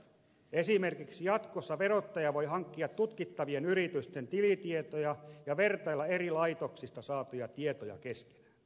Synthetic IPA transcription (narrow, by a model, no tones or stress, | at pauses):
esimerkiksijɑt̪kosːɑʋeɾot̪ːɑjɑʋojɦɑŋkːiɑt̪ːut̪kit̪ːɑʋienyɾit̪yst̪ent̪ilit̪iet̪ojɑjɑʋert̪ɑilːɑerilɑit̪oksist̪ɑsɑːt̪ujɑt̪iet̪ojɑ̰keske̥næ̥